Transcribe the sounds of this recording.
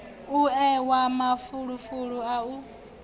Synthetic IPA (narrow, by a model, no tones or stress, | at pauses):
uɛwamafuɺufuɺuau